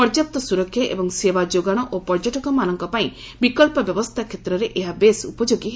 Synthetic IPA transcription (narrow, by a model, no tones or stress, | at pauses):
pɔɾd͡ʒap̚t̪ːɔsuɾɔkʰjɔʔḛbɔŋsebad͡ʒoɡaɽ̃ɔʔopɔɾd͡ʒɔʈɔkɔmanɔŋkɔpaĩ | bikɔlpɔbjɔbɔst̪ʰakʰet̪ɾɔɾeʔeɦabesṵpɔd͡ʒoɡiɦ